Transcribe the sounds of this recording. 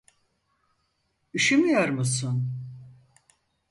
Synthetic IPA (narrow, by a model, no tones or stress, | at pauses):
yʃymyjoɾmusun